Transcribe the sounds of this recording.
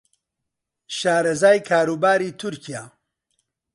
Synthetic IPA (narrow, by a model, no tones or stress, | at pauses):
ʃaːɾɐzaːjkʰaːɾuːbaːɾiːt̪ʰʊɾkijaː